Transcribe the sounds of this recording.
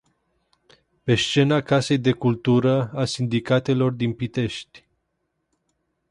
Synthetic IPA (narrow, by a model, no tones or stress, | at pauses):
pe̞st͡ʃe̞nakase̞jd̪e̞kult̪uɾəasind̪ikat̪e̞lo̞rd̪inpit̪e̞ʃt̪ʲ